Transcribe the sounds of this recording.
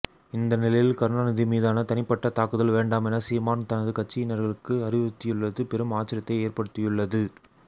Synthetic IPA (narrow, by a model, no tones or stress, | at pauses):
ɪnd̪ɐnɪlɐjɪlkɐɾnaːnɪðimiːðaːnɐt̪ɐnɪpːɐʈːɐt̪aːkɯðɐlʋeːɳɖaːmɛnɐsiːmaːnt̪ɐnɐðɯkɐʈ̚t͡ʃːɪjɪnɐɾɣɐɭɯkːɯɐrɪʋɐt̪ːɪjɯɭːɐðɯpɛɾɯmaːt͡ʃːɪɾɐt̪ːɐɪeːrpɐɽɯt̪ːɪjɯɭːɐðɯ